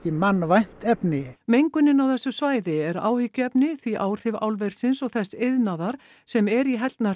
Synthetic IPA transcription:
cɪmanːvajn̥t̪ɛpnɪmejŋkʏnɪnawθɛsːʏsvaːjðɪɛɾa̰ːwhɪcːʏɛpnɪθviʔaːwr̥ɪva̰ːwlvɛɾ̥sɪnsɔɣθɛsːɪðnaðaɾ̥ | sɛmɛɾiɦɛlt̪na

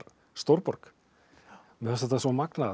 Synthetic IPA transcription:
ɾ | st̪owɾpɔɾ̥k | mɛas̬t̪at̪ːasɔmakna

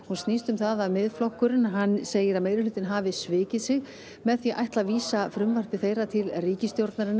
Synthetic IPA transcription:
hunst̪nist̪ʏmθaðavmɪðflɔhkʏɾɪnɦanːseːjɪɾaðmejɾɪlʏːt̪ɪnɦaːvɪsvɪːcɪðsɪɣ | mɛðθiʔajht̪laviːsafɾʏmvar̥pɪθeːjɾat̪ʰɪlriːcɪst̪jowɾt̪naɾɪnːa

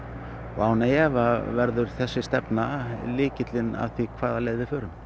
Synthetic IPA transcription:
ɔ̰ɣaːwnajɛvavɛɾðʏɾ̥θɛsːɪst̪ɛpnalɪːcɪt̪lɪna̰ðθikʰvaːðaleːjðɪfœːɾʏm

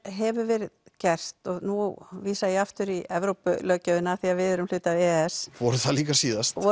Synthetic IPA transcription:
ɦɛvʏɾvɛːɾɪðcɛr̥t̪ɔɣnuviːsajɛaft̪ʏɾiɛvɾowpʏlœːcaʏnaθiaðvɪðɛɾʏml̥ʏːt̪avɛːɛsvɔɾʏθaliːkasiːðast̪ɔ

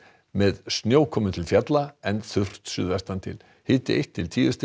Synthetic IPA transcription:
mɛðsnjoːwkʰɔːmʏt̪ʰɪlfjɛt̪laɛnθʏr̥t̪sʏ̰ðvɛst̪ant̪ʰɪ̰l | hɪːt̪ɪejht̪ʰːɪlt̪ʰiːðʏst̪ɪ

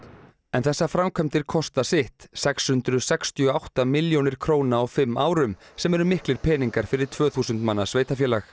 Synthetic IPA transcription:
ɛnθɛsːafɾamkʰœjmt̪ɪɾ̥kʰɔst̪asɪht̪sɛkshʏnt̪ɾʏsɛkst̪ʰiɔawht̪amɪljownɪɾ̥kʰɾoːwnaɔwfɪmːaːwɾʏmsɛmɛɾʏmɪhklɪɾ̥pʰɛːniŋkaɾ̥fɪɾɪɾ̥t̪ʰvœːθuːsʏnt̪manːasveːjt̪afjɛːlax

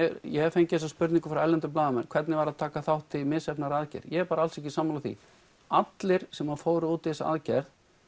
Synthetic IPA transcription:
jɛfejɲcɪɛsaspʏɾt̪niŋkʏfɾawɛlɛnt̪ʏp̬laːðamɛnkʰvɛt̪nɪvaɾaðt̪ʰaːkaθawht̪ːɪmɪsɛpnaɾaðcɛ̰ɾjɛɛɾpaːɾaalsɛhcɪsaːmalaθḭ | at̪lɪɾ̥sɛmaðfoːwɾʏuːt̪ɛsa̰ðcɛɾð

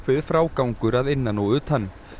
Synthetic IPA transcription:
kvɪðfɾaːwkawŋkʏɾaðɪnːanowʏːt̪ʰan

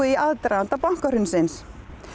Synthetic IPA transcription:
iaðt̪ɾaant̪apaŋ̥kaɾʏnsɪns

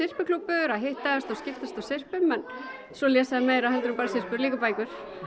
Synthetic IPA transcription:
sɪr̥pɪkʰlupːʏɾaðɦeht̪aast̪awscɪft̪ast̪awsɪr̥pʏmɛn | sɔljɛːsaðmejɾaðɦɛnt̪ʏɾʏmpaːɾasɪr̥pʏɾliːkʏpaːjkʏɾ̥

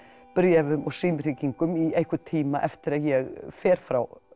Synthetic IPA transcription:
pʏɾjaðʏmɔɣsiːmr̥iːciŋkʏmiejhkʏt̪ʰiːmaʔɛft̪ɪɾaðjɛɣfɛːɾ̥fɾaw

